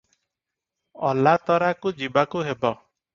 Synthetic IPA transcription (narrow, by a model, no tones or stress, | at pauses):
ɔlat̪ɔɾakud͡ʒibakuɦebɔ